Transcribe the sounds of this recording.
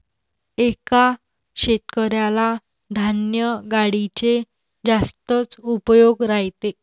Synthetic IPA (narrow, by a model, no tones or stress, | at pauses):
eka | ɕet̪kəɾjala | d̪ʱanjəɡaɽit͡ɕe | d͡zast̪ət͡supəjoɡɾaɦjt̪e